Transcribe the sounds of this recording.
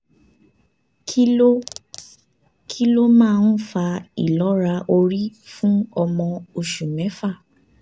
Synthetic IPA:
ki˦o˦ | kʰi˦lo˦mãː˦˧n̩˦fa˧i˦˨lɔ˨˦ɾa˧ʔo˧ɾi˦fũ˦ɔ˧mɔ̃˧o˧ʃu˨mɛ̃˨˦fa˦˨

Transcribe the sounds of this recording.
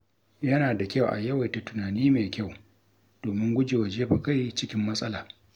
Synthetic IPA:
jɐ˦naː˨da˨kʲɐ˦˨wʔa̰˨jɐ˦wa˨jta˨tʊ˨naː˨niː˦meː˨kʲɐ˦˨w | doː˨mɪ˦ŋɡʷʊ˦d͡ʒe˨wa˨d͡ʒeː˦ɸa˨ka˦˨jt͡ʃɪ˦kʲɪ˦mːɐ˦sʼɐ˦laː˨

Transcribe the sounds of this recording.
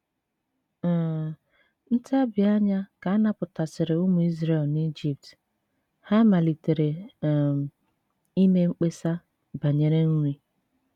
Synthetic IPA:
n̩˦ta˦bɪ˨a˦ɲa˦ka˨a˦na˦pʊ˨ta˨sɪ˨ɾɪ˨ʊ˦mʊ˨i˦zɾe˨lni˦d͡ʒi˨p̚t | ha˦ma˨li˨te˨ɾe˨m˨ | i˦me˦ŋ͡m̩˦k͡pe˦sa˦ | ba˨ɲe˨ɾe˦n̩˦ɾi˦

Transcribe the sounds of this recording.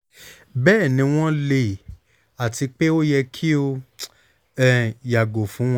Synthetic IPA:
bɛː˦˨nĩ˧˦w̃ɔ̃˦le˦˨ | a˨ti˧k͡pe˦o˦jɛ˧kʰi˦o˧ | ɛ˦˨ja˨ɡo˨fũ˨˦w̃ɔ̃˦

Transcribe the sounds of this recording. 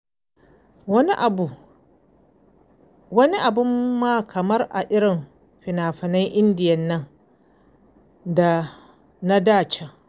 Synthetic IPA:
wɐ˦ni˦ʔa˨bʊ˦mːaː˦kʰɐ˨mɐ˦rʔa˨ʔɪ˦ɽɪ˨m | ɸɪ˨naː˨ɸɪ˨nɐ˦ŋʔɪ˦ndɪ˨jɐ˦nːɐ˦ŋ | da˨ | na˦daː˦˨t͡ʃe˦

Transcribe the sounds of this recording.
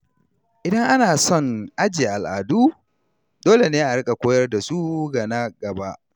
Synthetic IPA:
ʔɪ˨dɐ˦ŋʔa˦naː˨sɔ˦˨ŋʔa˦d͡ʒiː˨ʔa˨lʔaː˨duː˦ | doː˦le˨neː˦ʔa˨ɽɪ˦kʼa˨kʷoː˦jɐ˦rda˨su˦ɡa˨na˦ɡɐ˨ba˦ʔ

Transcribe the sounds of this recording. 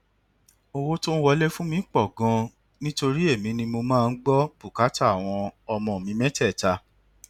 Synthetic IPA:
o˧wo˦to˦wɔ˧lɛ˦fũ˦mĩ˧˦k͡pɔ˦˨ɡɔ̃˧ | nĩ˦to˧ɾi˦e˦˨mĩ˨˧nĩ˧mo˧mãː˦˧n̩˦ɡ͡bɔ˦b̥u˦˨ka˨˦ta˦˨w̃ɔ̃˧ɔ˧mɔ̃˧˨mĩ˨˧˦mɛ̃˦tɛ˦˨ta˧

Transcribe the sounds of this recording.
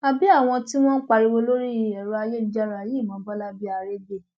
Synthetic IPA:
a˨bi˨˦a˦˨w̃ɔ̃˧ti˦w̃ɔ̃˦n̩˦k͡pa˧ɾi˧wo˧lo˦ɾi˦˨ɛ˨ɾɔ˧a˧je˦˨˦d͡ʒa˦ɾa˨a˨je˦˨mã˨˦bɔ˦la˦bi˦a˧ɾe˦d͡ʒe˦˨

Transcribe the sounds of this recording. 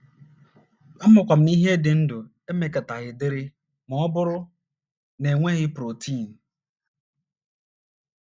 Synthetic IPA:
ɔ˦mʊ˨kʷa˨m̩˨ni˦ɦe˦dɪ˨n̩˦dʊ˨ | e˦me˨ka˨ta˨ɣɪ˨dɪ˦ɾɪ˦ | mɔ˨ɔ˦bʊ˦ɾʊ˦ | ne˨ŋʷe˦ɣɪ˦pɾo˨tʰi˦˨n̩˨

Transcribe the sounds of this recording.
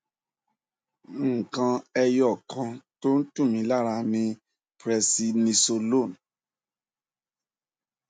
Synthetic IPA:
ŋ̩˨kã˧ɛ˧jɔ˨kʰã˧to˦n̩˦tũ˦˨mĩ˨˦la˦˨ɾa˧mĩ˧ | pɾɛ˧si˧nĩ˧so˧lo˦˨n

